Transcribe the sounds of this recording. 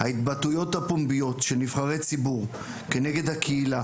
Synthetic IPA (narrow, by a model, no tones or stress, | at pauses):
hait̪batujo̞thapombijo̞t̪ʃenivχaʁet͡sibuʁ | kene̞ɡe̞d̪hakʰeila